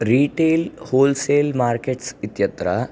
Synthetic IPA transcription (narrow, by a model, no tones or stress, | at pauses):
ɾiːʈeːlhoːlseːlmaːɾkeʈsit̪jɐt̪ɾɐ